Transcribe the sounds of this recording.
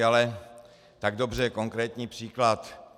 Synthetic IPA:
alɛ | t̪aɡdo̞br̝ɛko̞ŋkɾɛːt̪ɲiːpr̥iːklat̪

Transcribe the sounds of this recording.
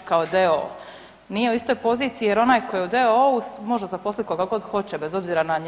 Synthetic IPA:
kaod̪eo̰ | nije̞uist̪o̞jpo̞ziːt̪sijijeɾo̞naːjko̞jeud̪eousmoʒd̪azaposlit̪̚ʲkoɡaɡo̞d̪xo̞t͡ɕebezo̞bziːɾanaɲ

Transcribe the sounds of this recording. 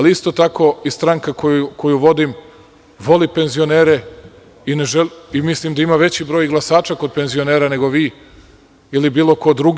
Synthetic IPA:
aliist̪ot̪ako̞ist̪ɾaŋkakoko̞juʋo̞d̪im | ʋo̞lipe̞nzio̞neːɾe | ineʒelimislimd̪aimaʋe̞t͡ɕibɾojɡlˠasaːt͡ʃako̞d̪̚pe̞nzio̞neːɾane̞ɡo̞ʋiː | ilibiːlˠo̞ko̞d̪ɾuɡ

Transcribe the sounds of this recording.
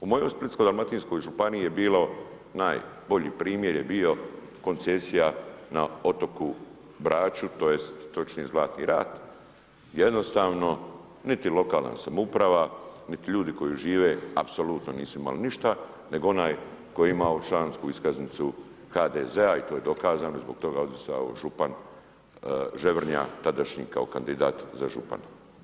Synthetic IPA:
umo̞jojsplit̪skod̪almat̪insko̞jʒupaniijebiːlo | naːjbo̞ʎḭːpɾiːmje̞ɾjebio̞ | ko̞nt̪sesijanaot̪o̞ku | bɾaːt͡ʃut̪ojest̪ːo̞t͡ʃnizlaːt̪nḭɾa̰ːt̪ | je̞d̪no̞st̪aːʋno̞ | nit̪ilo̞kaːlˠna̰samupɾaʋanit̪iʎuːd̪iko̞jiʒiːʋeapso̞lut̪no̞niːsuima̰liniʃt̪a | ne̞ɡoo̞naːjko̞jeimaot͡ʃlaːnskuiskaznit̪su | xaːd̪eze̞ait̪o̞ːje̞d̪o̞kaːzaːnoizbo̞k̚t̪o̞ɡaod̪isa̰o̰ʒupan | ʒe̞ʋɾ̩ɲa̰t̪ad̪aʃɲḭkao̞̰kand̪id̪a̰ːt̪zaʒṵpa̰n

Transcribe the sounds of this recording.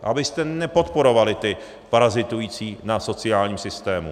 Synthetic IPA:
ʔabɪst̪ɛnɛpo̞t̪po̞ɾo̞valɪt̪ɪ | paɾazɪt̪ujiːt͡siːnaso̞t͡sɪaːlɲiːmsɪst̪ɛːmṵ

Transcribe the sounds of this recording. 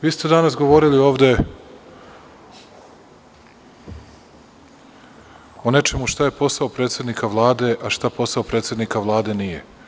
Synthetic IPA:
ʋiːst̪ed̪anasɡo̞ʋo̞ɾilio̞ːʋd̪e̞ | one̞t͡ʃe̞muʃt̪aje̞po̞saopɾet̪sje̞d̪nikaʋlˠaːd̪e̞ʔaʃt̪apo̞saopɾet̪sjed̪nikaʋlˠaːd̪e̞nije

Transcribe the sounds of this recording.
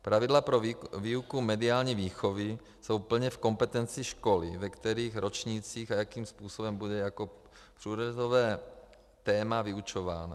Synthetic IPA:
pɾavidlapɾoviːukumɛdiaːlɲiːviːxovɪ | sowpl̩ɲɛfko̞mpɛt̪ɛnt͡siʃko̞lḭvɛkt̪ɛɾiːxɾo̞t͡ʃɲiːt͡siːxajakiːmspuːsobɛmbudɛjako | pr̥uːɾozovɛː | t̪ɛːmaviut͡ʃova̰ːna

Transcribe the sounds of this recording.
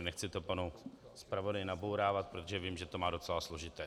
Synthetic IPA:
nɛxt͡sɪt̪opanu | spɾavo̞dajnabowɾaːvat̪̚pɾo̞t̪oʒɛviːmʒɛt̪o̞maːdo̞t͡sɛlaslo̞ʒɪt̪ɛː

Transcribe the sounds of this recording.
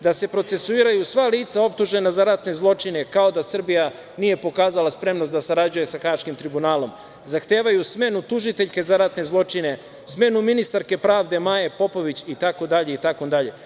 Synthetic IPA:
d̪ase̞pɾo̞t̪se̞suiːɾajusʋaliːt̪sao̞p̚t̪uʒenazaɾat̪ne̞zlˠo̞t͡ʂine̞kao̞d̪asr̩bija | nije̞po̞kaːzalˠaspɾe̞mnost̪d̪asaɾad͡ʑuje̞saxaʃkimt̪ɾibunaːlo̞m | zaxt̪e̞ːʋajusme̞nut̪uʒit̪e̞ʎke̞zaɾat̪ne̞zlˠo̞t͡ʃine̞ | sme̞numinist̪aɾke̞pɾaːʋd̪e̞maje̞po̞po̞ʋit͡ɕit̪akod̪aʎe̞it̪ako̞d̪aʎe̞

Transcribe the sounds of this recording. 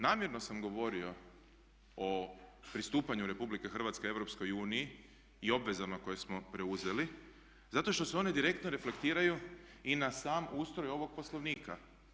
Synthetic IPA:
naːmjeɾno̞samɡo̞ʋo̞ɾio̞ | opɾist̪uːpaɲuɾe̞publike̞xr̩ʋat̪skee̞ʋɾo̞psko̞juːniiː | o̞bʋe̞zamako̞je̞smo̞pɾe̞uze̞li | zat̪o̞ʃt̪o̞se̞o̞ned̪iɾe̞k̚t̪noɾe̞fle̞kt̪iːɾajuinasaːmuːst̪ɾo̞jo̞ʋo̞ɡ̚po̞slˠoʋniːka

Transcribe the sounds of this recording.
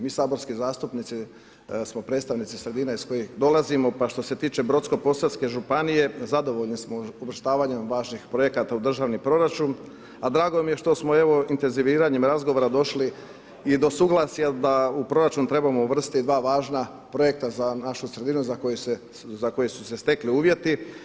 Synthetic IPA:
miːsaːbo̞ɾskizaːst̪upnit̪si | smo̞pɾet̪st̪aʋnit̪sisɾe̞d̪iːnaisko̞jixd̪o̞lazimo̞paʃt̪o̞se̞t̪iːt͡ʃe̞bɾo̞t̪sko̞po̞saske̞ʒupanije̞zad̪o̞ʋo̞ʎnismouʋr̩ʃt̪aːʋaɲemʋaːʒnixpɾo̞je̞kat̪aud̪r̩ʒaːʋnipɾo̞ɾat͡ʃun | ad̪ɾaːɡo̞mije̞ʃt̪o̞smoe̞ʋo̞int̪e̞nziʋiːɾaɲemɾazɡo̞ʋoɾad̪o̞ʃli | id̪o̞suɡlˠasijad̪aupɾo̞ɾat͡ʃunt̪ɾe̞bamouʋr̩st̪id̪ʋaːʋaːʒna | pɾo̞je̞k̚t̪azanaʃusɾe̞d̪inuzakojese | zako̞jesu̥se̞st̪e̞kliuːʋje̞t̪i

